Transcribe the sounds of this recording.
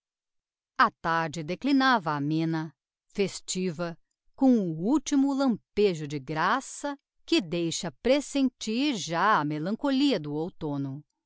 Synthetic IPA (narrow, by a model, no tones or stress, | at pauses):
ɐt̪aɾd͡ʒɪd̪eklinavɐːmẽnɐ | fest͡ʃivɐ | kõw̃ʊuwt͡ʃimʊlɐ̃peʒʊd͡ʒɪɡɾasɐ | kɪd̪ejʃɐpɾesẽnt͡ʃiɾʒaɐmelɐ̃koliɐd̪ʊowt̪õnʊ